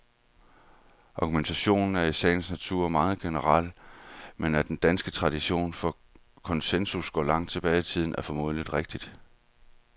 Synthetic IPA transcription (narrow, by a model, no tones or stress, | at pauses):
ʔɑ̈ɡ̥ument͡sʰæɕo̝̰ːnn̩æɐisɛ̰ːɪnsnæt͡sʰuɐ̰mɑ̈ːð̞̩ˠɡ̥e̝nəʁɑl̰menæd̥end̥ænsɡ̥ət͡sʰʁɑ̈d̥iɕo̝̰ːnfɒ̽ | kʰɒ̽nsensusɡ̥ɒ̰ːlɑ̈ŋ̰d̥t͡sʰe̝b̥ɛːɪt͡sʰið̞̰ˠn̩æɐfɒ̽mo̝̰ːð̞ˠlid̥ʁeɡ̥̚d̥id̥